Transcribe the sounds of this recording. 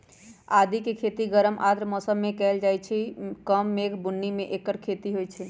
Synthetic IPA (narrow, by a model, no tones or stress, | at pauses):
ad̪ikekʰet̪iɡəɾəmʔad̪ɾmɔsəmːekɛld͡ʒajt͡ʃʰikəmːeɡʱbunːimeʔekəɾkʰet̪iɦojt͡ʃʰɛ